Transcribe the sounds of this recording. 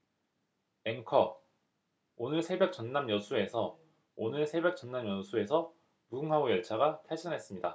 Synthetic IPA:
e̞ŋkʰʌ | onɯɭsʰe̞be̞k̚t͡ɕ͈ʌnːamjʌsʰue̞sʰʌ | onɯɭsʰe̞be̞k̚t͡ɕ͈ʌnːamjʌsʰue̞sʰʌ | puɡɯŋɦaɡojʌɭt͡ɕʰaɡatʰaɕʰʌnɦe̞s͈ɯmɲida

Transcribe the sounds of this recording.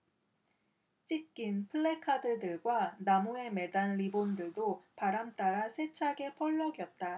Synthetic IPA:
t͡ɕ͈ik̚k͈inpʰɯɭːekʰadɯdɯɭɡwanamue̞me̞danɾibondɯɭdopaɾamt͈aɾasʰe̞t͡ɕʰaɡe̞pʰʌɭːʌɡjʌt̚t͈a

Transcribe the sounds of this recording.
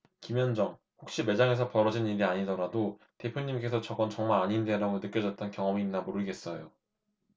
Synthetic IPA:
kimjʌnd͡ʑʌŋ | ɸok̚ɕ͈ime̞d͡ʑaŋe̞s̬ʰʌpʌɾʌd͡ʑinniɾiaɲidʌɾado | te̞pʰjoɲimk͈e̞sʰʌt͡ɕʌɡʌnt͡ɕʌŋmaɾaɲindeɾaɡonɯk͈ʌd͡ʑʌt̚t͈ʌnkjʌŋʌmiːnːamoɾɯɭɡe̞s͈ʌjo

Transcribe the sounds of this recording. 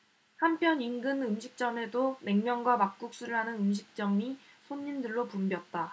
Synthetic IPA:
hampʰjʌninɡɯnɯmɕʰik̚t͡ɕ͈ʌme̞dome̞ŋmjʌŋɡwamak̚k͈uk̚s͈uɾɯɭɦanɯnɯmɕ̬ʰik̚t͡ɕ͈ʌmisʰoɲːindɯɭːopumbjʌk̚t͈a

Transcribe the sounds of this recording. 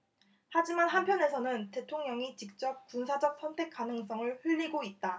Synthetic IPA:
had͡ʑimanɦampʰjʌne̞sʰʌnɯnte̞tʰoŋɲʌŋit͡ɕik̚t͡ɕ͈ʌp̚k͈unsʰad͡ʑʌk̚s͈ʰʌntʰe̞k͈anɯŋs̬͈ʌŋɯɭɸuʎːiɡoit̚t͈a

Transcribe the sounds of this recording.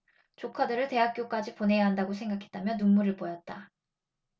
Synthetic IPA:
t͡ɕokʰadɯɾɯɭte̞ɦak͈̚jok͈ad͡ʑipone̞jaɦandaɡosʰe̞ŋɡakʰe̞t̚t͈amjʌnːunmuɾɯɭpojʌt̚t͈a

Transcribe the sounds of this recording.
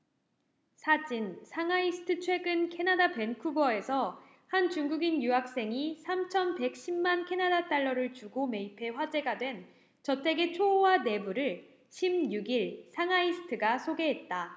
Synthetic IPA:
sʰad͡ʑinsʰaŋaisʰɯ̥tʰɯt͡ɕʰwe̞ɡɯnkʰe̞nadape̞nkʰubʌe̞sʰʌ | hant͡ɕuŋɡuɡinjuɦak̚s͈e̞ŋisʰamt͡ɕʰʌnpe̞k̚ɕ͈imːankʰe̞nadat͈aɭːʌɾɯɭt͡ɕuɡome̞ipʰe̞ɸwad͡ʑe̞ɡadwe̞n | t͡ɕʌtʰe̞ɡe̞t͡ɕʰowane̞buɾɯɭ | ɕʰimjuɡiɭsʰaŋaisʰɯ̥tʰɯɡasʰoɡe̞ɦe̞t̚t͈a

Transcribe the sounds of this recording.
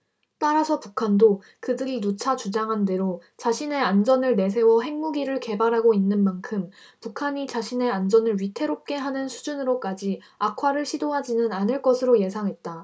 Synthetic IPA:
t͈aɾasʰʌpukʰando | kɯdɯɾinut͡ɕʰat͡ɕud͡ʑaŋɦande̞ɾot͡ɕaɕʰine̞and͡ʑʌnɯɭne̞s̬ʰe̞wʌɦe̞ŋmuɡiɾɯɭke̞baɾɦaɡoinːɯnmankʰɯm | pukʰaɲit͡ɕaɕʰine̞and͡ʑʌnɯɭɥitʰe̞ɾop̚k͈e̞ɦanɯnsʰud͡ʑunɯɾok͈ad͡ʑi | akʰwaɾɯɭɕʰidoɦad͡ʑinɯnanɯɭk͈ʌsʰɯɾoje̞sʰaŋɦe̞t̚t͈a

